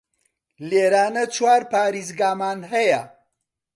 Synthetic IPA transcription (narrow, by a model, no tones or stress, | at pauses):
leːɾaːnɐt͡ʃʰwaːɾpaːɾizɡaːmaːnɦɐjɐ